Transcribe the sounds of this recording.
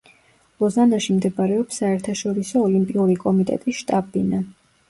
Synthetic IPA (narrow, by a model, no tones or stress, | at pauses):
lɔzanaʃimd̪ɛbaɾɛɔpsːaɛɾt̪ʰaʃɔɾisɔːlimpʼiuɾikʼɔmit̪ʼɛ̰t̪ʼisʃt̪ʼabina